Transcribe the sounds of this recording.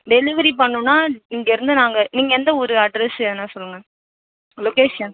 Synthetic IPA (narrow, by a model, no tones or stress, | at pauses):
ɖɛlɪʋɐɾip̬ɐɳːʊ̃nːaːɪŋɡɐɪɾɯnd̪ɯnaːŋɡɐniːŋɡɐɛnd̪ɐɔɾɯɐɖɾɛsɛnːaːsɔlːɯŋɡɐ | loːkeːʂɐn